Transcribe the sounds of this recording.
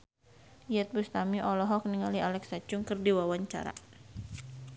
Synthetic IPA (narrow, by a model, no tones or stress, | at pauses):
ijɛt̪̚bust̪amiʔɔlɔɦɔk̚niŋalialɛksat͡ʃʊŋkərdiwawaɲt͡ʃa̰ɾa̰